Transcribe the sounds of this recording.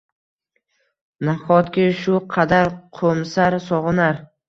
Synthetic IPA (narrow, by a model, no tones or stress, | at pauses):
naχɒt̪kʲɪʃʊqʰɑd̪aɾqʰomsaɾsɒʁɨnaɾ